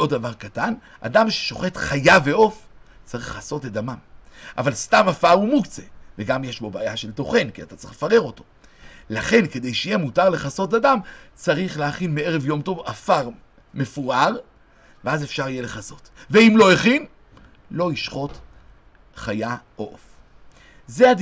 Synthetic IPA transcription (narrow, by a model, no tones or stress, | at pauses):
o̞ddavaʁkatan | ʔa̰damʃe̥ʃo̞χe̞tχajaveo̞ft͡saʁiχaso̞tadamamʔa̰valstamafaʁumukt͡seveɡamjeʃbo̞baːjaʃe̞lto̞χe̞nkia̰t̪at͡saʁi̥̰χlefaʁe̞ʁo̞to̞ | laχe̞nke̞d̪e̞jʃeijemutaʁle̞χaso̞t̬adamt͡saʁiχleaχinmee̞ʁe̞vjo̞mto̞vafaʁ | me̞fuʁaʁ | veaze̞fʃaʁijele̞χaso̞tveimlo̞eχin | lo̞iʃχo̞t | χaja | oʔof | zead